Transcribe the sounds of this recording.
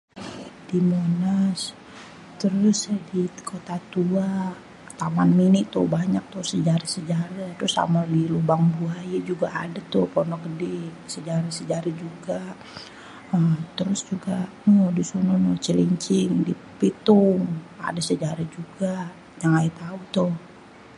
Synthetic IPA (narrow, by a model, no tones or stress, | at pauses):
dimonas | t̪əɾʊsdikʰot̪at̪ua | t̪amanminɪt̪ʊhbaɲak̚t̪ʊhsəd͡ʒaɾasəd͡ʒaɾat̪əɾʊsa̰malilubaŋbuajad͡ʒuɡaa̰dat̪ʊhpɔnɔkədɛsəd͡ʒaɾasəd͡ʒaɾad͡ʒuɡa | əmt̪əɾʊsd͡ʒuɡaʔədisonɔnot͡ʃəliɲt͡ʃɪŋdi | pit̪ʊŋa̰dasəd͡ʒaɾad͡ʒuɡa | jaŋait̪aut̪ʊh